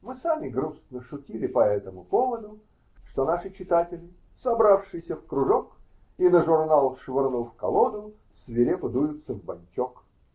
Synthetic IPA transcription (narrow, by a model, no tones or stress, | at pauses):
mɨsamʲɪɡɾusnəʂʊtʲilʲɪpɐɛt̪əmʊpovəd̪ʊ | ʂt̪onaʂɨt͡ɕɪt̪atʲɪlʲɪ | sɐbɾafʂɨjsʲəfkɾʊʐok | inəʐʊrnalˠʂvʲɪrnufkɐ̰lˠod̪ʊ | svʲɪɾʲepʊd̪ujʊt̪sːəvbɐnʲt͡ɕʲok